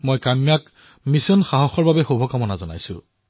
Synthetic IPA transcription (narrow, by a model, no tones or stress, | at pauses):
mojkamjak | misɔnxaɦɔxɔɹbabɛxobʱɔkamɔnazɔna̰jsʊ̰̃